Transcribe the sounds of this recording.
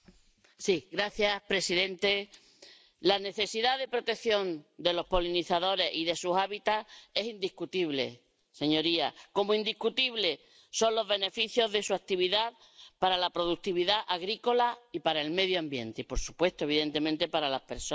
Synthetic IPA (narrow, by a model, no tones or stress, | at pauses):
siɣɾaθjahpɾesiðe̞nt̪e̞ | lane̞θe̞siðaðe̞pɾo̞t̪e̞kθjo̞nd̪e̞lo̞hpo̞liniθaðo̞ɾe̞siðe̞susaβit̪ae̞sind̪ihkut̪iβle̞̰ | se̞ɲo̞ɾiako̞moind̪ihkut̪iβle̞ | so̞nlo̞ɦβe̞ne̞fiθjo̞ðe̞suak̚t̪iβiðað | paɾalapɾo̞ðuk̚t̪iβiðaʔaɣɾiko̞laipaɾae̞lme̞ðjoambje̞nt̪eipo̞ɾsu̥pwe̞st̪oe̞β̞iðe̞nt̪e̞mẽnt̪e̞paɾalahpe̞ɾso